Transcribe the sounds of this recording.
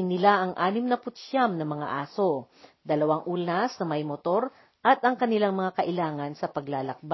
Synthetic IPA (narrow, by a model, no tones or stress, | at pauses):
ɪnːɪlaʔɐŋʔaːnɪmnɐpʊt̪ʃamnɐmɐŋa̰ʔaːso̞ | d̪ɐlɐwaŋʔulnɐsnɐmɐjmot̪o̞ɾ | ʔɐt̪ʔɐŋkɐnɪlaŋmɐŋakɐʔɪlaːŋɐnsɐpɐɡlaːlɐk̚ba